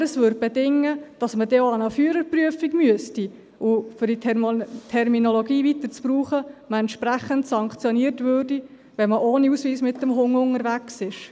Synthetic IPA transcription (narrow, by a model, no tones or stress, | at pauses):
ɾəsʋʏːɾd̚bɛdɪŋːəd̥ɑsmədeːoɑnəfyːɾəɾpryəfiɡmyəsti | ʔʊfʏɾditʰɛrminoloɡiːvit̪əɾt͡spruːχəməɛntʃpɾæχəntsɑŋkt͡sjoniːərtʋøːrdi | ʋɛməʔoːniusʋiːsmɪtdəmɦʊŋʊŋəɾʋæksɪʃ